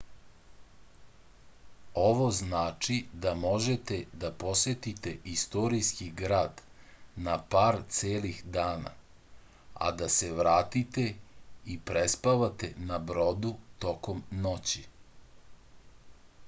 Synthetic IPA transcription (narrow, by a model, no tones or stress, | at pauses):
o̞ʋo̞znaːt͡ʂid̪amo̞ʒet̪e̞d̪apo̞sʋe̞t̪it̪e̞ʔist̪oɾiskiɡɾaːd̪napaːɾt̪seːlixd̪aːna̰ | a̰d̪ase̞ʋɾaːt̪it̪eipɾespaʋat̪e̞nabɾo̞d̪ut̪o̞komnot͡ɕi